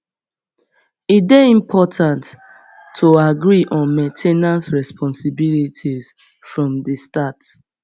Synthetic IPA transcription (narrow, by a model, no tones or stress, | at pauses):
it̚beĩmpʰɔtʰãntʰː | oaɡɹiʔɔ̃nmẽntʰenãnsɹɛspʰɔ̃nsibilitʰiz̥ | fɹɔ̃mdəstat